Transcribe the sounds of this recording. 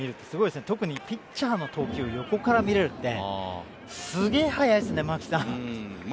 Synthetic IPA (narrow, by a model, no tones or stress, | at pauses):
iɾɯ̟t̪ːe̞sɨɡo̞id̪esnet̪o̞kɯ̟ɲ̟ipʲit͡ɕaːno̞t̪ʰo̞ːkʲio̞jo̞ko̞kaɾamʲiɾe̞ɾɯ̟t̪ːe̞̰ | sɨɡe̞ːhajaisɨnemakʲi̥sã